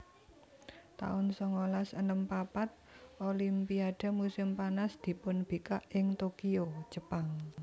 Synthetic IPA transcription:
t̪a̰ʊnsɔŋolasənəmpapat̪̚ʔolimpiaɖ̪̥a̤musɪmpanasd̪̥i̤pʊnb̥ikaʔɪŋt̪okio̥d͡ʒ̥ə̤paŋ

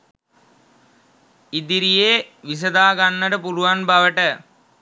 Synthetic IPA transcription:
id̪iɾijeːʋis̬əd̪aːɡanːəʈəpuluʋanbaʋəʈə

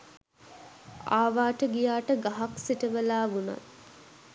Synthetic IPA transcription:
aːʋaːʈəɡijaːʈəɡaɦaksiʈəʋəlaːʋuna̰t̪

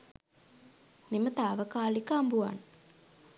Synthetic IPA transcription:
nimət̪aːʋəkaːlikəambua̰n

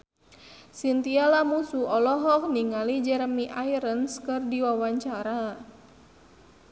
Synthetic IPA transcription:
sint̪ialamusuʔɔlɔɦɔk̚niŋalid͡ʒɛɾəmiʔaiɾənskɨrdiwawaɲt͡ʃaɾa

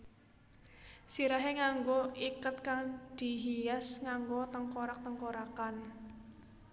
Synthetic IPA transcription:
siɾaɦeŋaŋɡoikət̪̚kaŋd̪̥i̤ɦijasŋaŋɡot̪əŋkoɾak̚t̪əŋkoɾakan

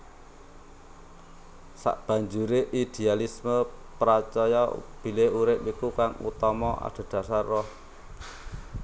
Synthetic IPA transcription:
sa̰ʔb̥ä̤ɲd͡ʒuɾeʔid̪̥e̤alisməpɾat͡ʃɔjɔb̥i̤leuɾɪpikukaŋṵt̪ɔmɔʔa̰d̥a̤d̪̥a̤sarːɔh

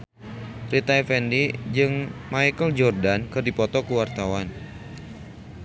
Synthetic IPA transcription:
rit̪ajfɛndid͡ʒɨŋmajkəld͡ʒɔrdankɨrdipɔt̪ɔkəwart̪awan

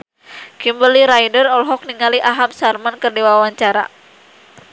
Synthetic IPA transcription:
kimbəliɾajdərɔlɦɔk̚niŋaliʔaɦamsarmankərdiwawaɲt͡ʃaɾa̰

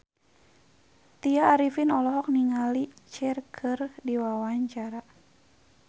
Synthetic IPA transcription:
t̪iaːɾifinɔlɔɦɔk̚niŋalit͡ʃɛrkʰɨrdiwawaɲt͡ʃaɾa

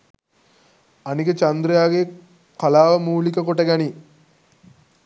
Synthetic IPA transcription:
anikət͡ʃand̪ɾijaːɡe | kalaːʋəmuːlikəkoʈəɡæni

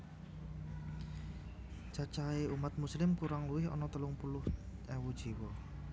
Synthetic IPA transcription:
d͡ʒ̥at͡ʃaeʔumat̪̚muslɪmkuɾaŋluwɪhɔ̰nɔt̪əlʊŋpulʊhɛwud̥ʒ̥i̤wɔ

